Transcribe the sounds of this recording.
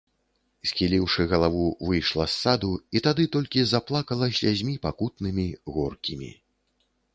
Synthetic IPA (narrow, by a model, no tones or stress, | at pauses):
sʲxʲilʲiwʂɨɣɐlˠavuvɨjʂlˠɐsːad̪uit̪ad̪ɨt̪ɔlʲkʲizaplˠakɐlˠɐsʲazʲmʲipakut̪nɨmʲiɣɔrkʲimʲḭ